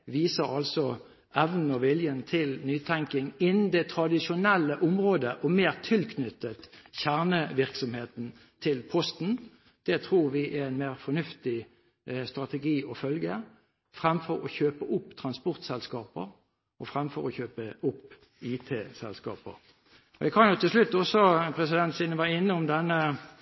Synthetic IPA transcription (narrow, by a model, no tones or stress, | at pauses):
ʋiːsəʁɑlsɔ | ʔɛʋnn̩ɔʋɪljənt̪ʰɪlnyːt̪ʰæŋkɪŋɪnn̩d̪ɛt̪ʰɾɑd̪ɪʂʊnɛlːəʔʊmʁoːd̪əʔɔmeːʁt̪ʰɪlkʰnʏt̪ːət̪çæʁnəʋɪʁksɔmheːt̪n̩ | t̪ʰɪlpʰɔst̪n̩ | d̪̥ɛt̪ʰʁuːɾʋɪʔɛɛɪnmeːʁfɔnʉft̪ɪ | st̪ʁɑt̪əɡiːʔɔfœlɡə | fʁɛmfɔɾɔçøːpəʔʊpːt̪ʰʁɑnspɔʁt̪sɛlskɑːpə̰ɾ | ʔɔfʁɛmfɔʁɔçøːpəʊpː | iːt̪ʰeːsɛ̰lskɑ̰ːpə̰ʁ | ɔɛɡkʰɑnjʊt̪ʰɪlslʉt̪ːɔsɔpʰʁɛsɪd̪ɛnt̪sɪːnəʋɑːɪnːəʊmd̪ɛnːə